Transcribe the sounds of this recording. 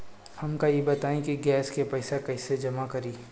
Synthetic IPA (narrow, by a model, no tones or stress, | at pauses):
hɐmkajebɐt̪aːĩkiɡɛːskepɐːsakɐɪsed͡ʒɐmakɐɾiː